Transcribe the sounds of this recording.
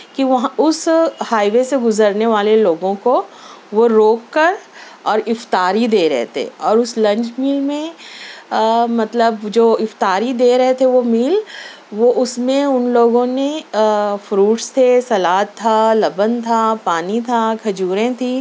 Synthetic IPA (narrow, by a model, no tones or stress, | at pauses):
kiʋɐɦãʊshaːɪʋeseɡʊzəɾneʋaːleloːɡõko | ʋoɾoːkːəɾɔːɾɪft̪aːɾid̪eːɾɐ̰ɦḛt̪ʰḛːɔːɾʊslɐ̃ɲt͡ʃmiːlmẽ | mɐt̪ləbd͡ʒoːɪft̪aːɾid̪eːɾɐɦet̪ʰeʋomiːl | ʋoʔʊsmẽʊnloːɡõne | fɾuːʈst̪ʰesɐlaːt̪ʰːalɐbənt̪ʰapaːnit̪ʰakʰɐd͡ʒuːɾẽt̪ʰiː